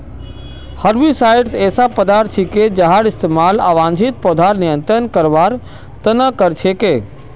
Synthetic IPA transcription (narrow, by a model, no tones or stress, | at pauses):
həɾʋisajiʈsɛːsapəd̪aɾt̪ʰt͡ʃʰiked͡ʒaɦaɽɪst̪emalaʋãnd͡ʒit̪̚pɔd̪ʱaɾnijənt̪ɾənkəɾʋaɾ | t̪ənəkəɾt͡ʃʰeke